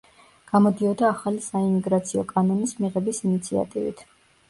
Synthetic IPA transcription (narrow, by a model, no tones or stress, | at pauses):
ɡ̥amɔd̪iɔd̪aːχalisaimiɡɾat̪sʰiɔkʼanɔnismiʁɛbisinit̪sʰia̰t̪ʼivḭt̪ʰ